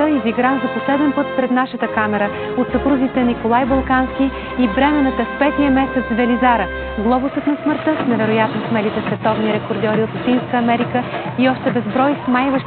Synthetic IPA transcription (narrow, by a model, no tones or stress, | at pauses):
əiziɡɾamzɐposlɛd̪ɛnpɤt̪pɾɛd̪naʃət̪əkamɛɾə | ot̪sɐpɾuzit̪ɛnikolˠajbɐlˠkanskiː | bɾɛmɛnət̪əfpɛt̪nijəmɛsɛt̪zvɛlizaɾə | ɡlˠɔbosət̪nɐsməɾt̪əsnɛvɛɾojat̪nosmɛlit̪ɛsvɛt̪ɔvniɾɛkoɾd̪ʲɔɾiot̪lˠɐt̪inskəːmɛɾikəiɔʃt̪ɛbɛzbɾɔjsmajvəʃ